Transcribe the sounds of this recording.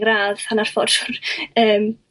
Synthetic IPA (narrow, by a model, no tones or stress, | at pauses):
ɡɾaːðhanar̥fɔd̥ʊrəːm